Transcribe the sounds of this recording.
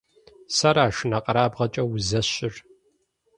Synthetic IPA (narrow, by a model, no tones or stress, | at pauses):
sɐɾaːʃɪnɐqʼɐɾaːbʁɐt͡ʃʼɐwzɐɕɪr